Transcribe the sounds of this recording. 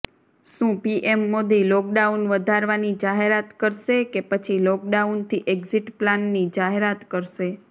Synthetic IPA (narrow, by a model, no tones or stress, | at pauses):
ʃũpiʔemːod̪ilɔk̚ɖaunʋəd̪ʱaɾʋanid͡ʒaɦeɾat̪kəɾʃekepət͡ʃʰilɔk̚ɖaunt̪ʰiʔeɡziʈplanːid͡ʒaɦeɾat̪kəɾʃe